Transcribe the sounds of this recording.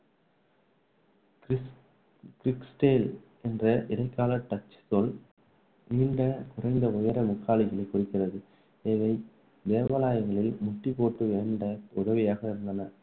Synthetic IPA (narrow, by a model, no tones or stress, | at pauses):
kɾɪksʈeːl | ɛndrɐʔɪðɐɪkːaːlɐʈːɐt͡ʃːsɔl | niːɳɖɐkʊrɐɪnd̪ɐʊjɐɾɐmʊkːaːlɪɣɐɭɐɪkːʊrɪkːɪrɐðɯ | eːʋɐɪ | d̪eːʋɐlaːjɐŋɡɐɭɪlmʊʈːipːoːʈːɯʋeːɳɖɐʊðɐʋɪjaːɣɐɪɾɯnd̪ɐnɐ